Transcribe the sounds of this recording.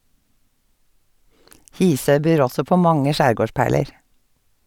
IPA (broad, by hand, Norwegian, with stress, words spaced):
ˈhiːˌsœʏ ˈbyːɾ ˈɔsɔ ˈpoː ˈmɑŋə ˈʃæːɾˌɡoːˌʃpæːɭəɹ